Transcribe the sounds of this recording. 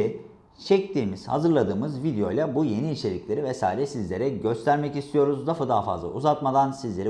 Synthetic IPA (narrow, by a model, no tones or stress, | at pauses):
t͡ʃʰɛc̚t̪ʰiːmiz̥ha̰zɯɾlˠad̪ɯːmɯzvid̪ejo̞̰jlˠabuje̞niːt͡ʃʰe̞lʲicʲlʲe̞ɾivɛsa̰ːiɾɛsizlʲe̞ɾɛɟø̞st̪ʰæɾmɛcist̪ʰijo̞ɾuzd̪afɯd̪aɦafa̰zlˠa̰ṵzat̪mad̪ansizlʲe̞ɾi